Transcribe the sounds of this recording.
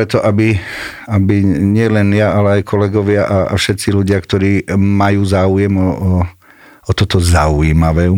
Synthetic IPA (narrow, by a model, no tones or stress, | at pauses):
pɾɛt̪ɔʔabi | abiɲɪɛlɛnjaalɛajkʰɔlɛɡɔʋɪaʔaa̰fʃɛt̪siluɟɪakt̪ɔɾiːmajuːzaːujɛmɔɔ | ɔt̪ɔt̪ɔzauiːmaʋɛː